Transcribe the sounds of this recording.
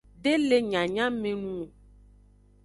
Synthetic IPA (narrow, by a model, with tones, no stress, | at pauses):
ɖe˦le˦ɲã˨ɲã˦mẽ˨nũ˦o˨